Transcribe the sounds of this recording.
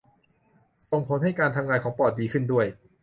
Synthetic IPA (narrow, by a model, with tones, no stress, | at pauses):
so˨˩ŋpʰo˩˦nha˥˩jkaː˧nt̪ʰa˧mŋaː˧nkʰɔː˩˦ŋpɔː˨˩t̪̚diː˧kʰɯ˥˩ndu˥˩əj